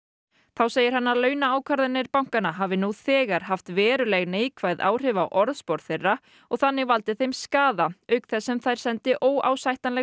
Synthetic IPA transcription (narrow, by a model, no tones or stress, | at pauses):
θawseːjɪɾ̥hanːaɾlœːɥnaaːwkʰvaɾðɪnːɪɾpawŋ̥kanaɦaːvɪnuθɛːɣaɾ̥ɦaft̪vɛːɾʏlɛɣnejkʰvaːjða̰ːwr̥ɪvawʔɔɾðspɔɾt̪θejrːa | ɔɣθanːɪɣval̪t̪ɪθejmskaːðaœɥkθɛsːɛmθajɾ̥sɛnt̪ɪʔoːwʔa̰ːwsajht̪anlɛ